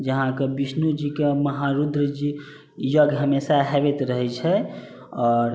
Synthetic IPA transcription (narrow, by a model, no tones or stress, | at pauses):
d͡ʒəɦãkebisnud͡ʒikeməɦaɾud̪ɾəd͡ʒi | jəɡɦəmesaɦebet̪ɾəɦɛt͡ʃʰɛ | ɔːɾ